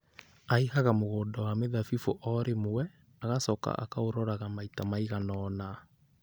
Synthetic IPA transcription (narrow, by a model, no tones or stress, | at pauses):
aihaɣamoɣoːndɔwameðafifoʔɔɾemowɛ | aɣasɔka̰ʔa̰kaoɾɔɾaɣamaitamaiɣanɔːna